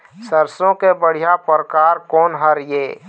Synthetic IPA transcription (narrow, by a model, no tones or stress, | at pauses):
səɾsõkebəɽ̤ijapɾkaːɾkɔːnɦəɾjeː